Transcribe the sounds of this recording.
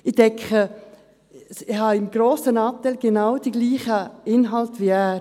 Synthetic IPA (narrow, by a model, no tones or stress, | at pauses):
ɪdɛŋkʰə | sɪhɑːɪmɡ̥ɾoːsənɑp̚t̪alɡ̥enaʊwd̥iɡliːχəɪnɦɑltʋiæːɾ